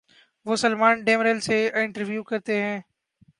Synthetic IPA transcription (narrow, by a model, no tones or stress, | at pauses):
ʋoːsəlmaːnɖeːmɾelseɪ̃ɳʈəɾʋjuːkɐɾt̪eɦɛ̃ː